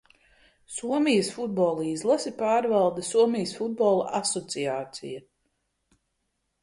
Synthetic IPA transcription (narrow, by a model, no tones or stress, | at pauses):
suɔmijəsfud̪̚bɔlˠiːzlˠasipaːɾvalˠd̪asuɔmijəsfud̪̚bɔlˠaʔasɔt̪sijaːt̪sḭja